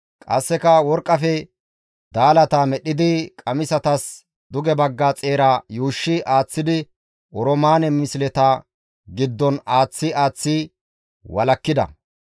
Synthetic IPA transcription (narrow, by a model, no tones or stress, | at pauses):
kʼɐ̰sːɛkɐwɔɾkʼːɐfɛ | d̪aːlɐt̪amɛɗːɪd̪ɪkʼɐmɪsɐt̪ɐs | d̪ʊɡɛbɐɡːɐt͡sʼe̞ːɾajuːʃːɪʔaːt͡sːɪd̪ɪ | ʔɔɾɔmaːnɛmɪslɛt̪ɐ | ɡɪd̪ːɔnaːt͡sːɪaːt͡sːɪ | wɐlɐkːɪd̪ɐ̰